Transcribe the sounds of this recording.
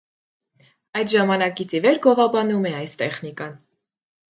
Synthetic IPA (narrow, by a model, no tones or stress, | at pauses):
ɑjd̪ʒɑmɑnɑkit͡sʰivɛɾɡɔʁɑbɑnumɛɑjst̪ɛχnikɑn